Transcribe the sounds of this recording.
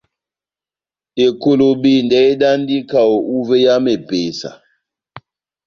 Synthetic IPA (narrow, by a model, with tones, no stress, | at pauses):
e˨ko˨lo˨ɓi˨ndɛ˦e˦ɗa˦ndi˦ka˨o˨ʔu˦ve˦ja˦me˨b̥e˨sa̰˨